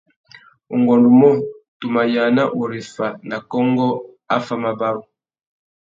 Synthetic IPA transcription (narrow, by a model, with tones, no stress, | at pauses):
o˨ŋɡɔ˨ndu˨mɔ˦tu˨ma˨ja˨na˦ʔo˨ɾe˨fa˨na˨kɔ˦ŋɡɔ˦ | a˦fa˦ma˨ba˦u˨